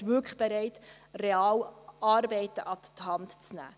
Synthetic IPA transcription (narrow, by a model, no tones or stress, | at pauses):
ʃʋʏkʰə̥χb̥ɛɾɛɪt | rɛɑːwɑːɾbɛɪt̪əʔɑt̪t̪hɑntt͡snæ̰ː